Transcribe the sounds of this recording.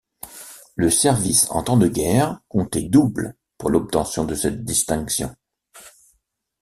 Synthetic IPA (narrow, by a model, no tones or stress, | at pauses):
ləsɛʁvisɑ̰̃t̪ɑ̃d̪əɡʲɛʁkɔ̃t̪ɛd̪ubl | puʁlɔp̚t̪ɑ̃sjɔ̃d̪əsɛt̪̚d̪ist̪ɛ̃ksjɔ̰̃